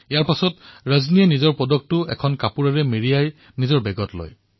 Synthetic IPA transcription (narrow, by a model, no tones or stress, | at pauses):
ijaɹpasɔtɹazniɛnizɔɹpɔdɔk̚tːʊɛ̰kʰɔnkapuɹaɹɛmiɹijaj | nizɔɹbɛɡɔtlɔ̰j